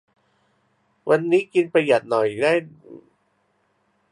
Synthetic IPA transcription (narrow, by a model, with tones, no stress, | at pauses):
wa˧nːiː˦˥ki˧npɾa˧ja˨˩t̪̚nɔ˨˩jdaː˥˩j